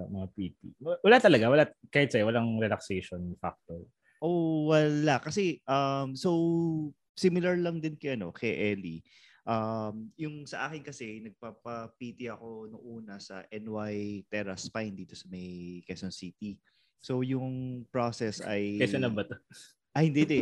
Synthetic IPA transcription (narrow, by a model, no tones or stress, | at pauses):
mɐŋapiːt̪̚iwɐlat̪ɐlɐɡawɐlakaːhɪt̪sɐjwɐlaŋɾɛlɐksejʃonfa̰k̚t̪oɹ | ʔowɐlakɐsɛʔɐmso̞w | simɪlɐɹlɐŋd̪ɪnkɐʔɐno̞̰kʰɛʔɛli | ʔɐmjʊŋsɐʔaːkɪnkɐsɛnɐɡ̚paːpɐpiːt̪ɪɐko̞nʊŋʔuːnɐsɐ̰ʔɛnwajt̪ɛɹɐspajnd̪iːt̪o̞sɐmɐjkɛsonsiːt̪i | so̞wjʊŋpɹosɛsɐ̰jkɛsonɐmbɐt̪o | ʔɐhɪnd̪id̪ɛ